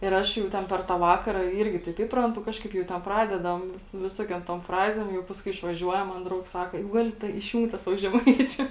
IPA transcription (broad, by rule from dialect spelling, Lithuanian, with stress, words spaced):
ɪr ˈɐʃ jɛʊ ˈtʲɛn pʲɛr tɑː ˈʋɑːkɐrɐ ˈiːrʲɡʲɪ tɐɪp ˈiːprɐntʊ ˈkɑːʃkɐɪp jɛʊ tʲɛn ˈprɑːdʲɛdɐm ˈʋʲɪsoːkʲoːm toːm ˈfrɑːzʲeːm ˈjɛʊ pɐsˈkʊɪ ɪʃʋɐˈʒʲuɔjɛm mɐn ˈdrɐʊks ˈsɑːkɐ jɛʊ ˈɡɑːlʲɪ tɐ ɪʃʲˈjuːŋk tɑː ˈsɑːʋoː ʒʲɛˈmɐɪt͡ʃʲʊ